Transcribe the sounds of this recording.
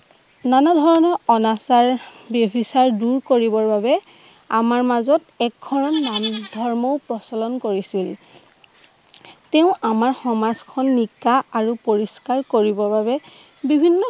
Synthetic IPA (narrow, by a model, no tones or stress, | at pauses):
nanadʱɔɹɔnɔɔnasaɹbjɔbʱisaɹduɹkoɹibɔɹbabɛ | a̰maɹmazɔtɛk̚ɡʱɔɹɔnːamdʱɔɹmɔʊpɹɔsɔlɔnkoɹisil | teʊ̃ʔamaɹxɔmazkʰɔnːikaʔaɹupoɹiskaɹkoɹibɔɹbaβɛ | bibʱinːɔ